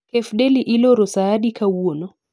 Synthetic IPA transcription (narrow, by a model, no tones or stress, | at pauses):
kɛfɗɛliʔilɔɾɔsaaɗikʰawuonɔ